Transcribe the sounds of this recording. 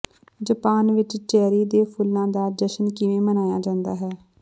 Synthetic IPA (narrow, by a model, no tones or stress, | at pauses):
d͡ʒəpaːnʋɪt͡ʃt͡ʃɛːɾiːd̪eːpʰʊlːãːd̪aːd͡ʒəʃənkɪʋẽːmənaːjaːd͡ʒãːnd̪aːɦɛː